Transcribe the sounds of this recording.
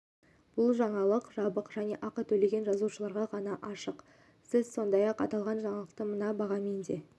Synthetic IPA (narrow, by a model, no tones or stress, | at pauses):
b̥ʊlˠʒɑɴɑlˠəqʒɑbəqʒæne̞ʔɑqət̪ʰɵle̞ɡʲe̞nʒɑzuʃəlˠɑɾʁɑʁɑnɑʔɑʃəq | sɪzso̞nd̪ɑjɑqɑ̰t̪ɑlˠʁɑnʒɑɴɑlˠəq̚t̪əmənɑbɑʁɑme̞nd̪e̞